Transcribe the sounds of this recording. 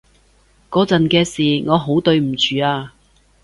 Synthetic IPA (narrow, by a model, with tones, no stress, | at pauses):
kɔː˨˧t͡sɐ˨nkɛː˧siː˨˩ŋɔː˨˧ɦo˨˥wt̪ɵ˧ɥm̩˨˩t͡ʃyː˨aː˧